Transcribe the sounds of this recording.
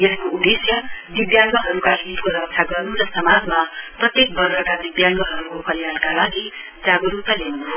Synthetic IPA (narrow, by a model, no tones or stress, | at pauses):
jeskoud̪esjʌd̪ibjaŋɡʌɦʌɾukaɦilpkoɾʌk̚tʰaɡʌrnuɾʌsʌmad͡zmaprʌt̪jek̚bʌrsʌkad̪ibjaŋɡʌɦʌɾukopʰʌljalkalaɡi | d͡zaɡʌɾup̚t̪aleu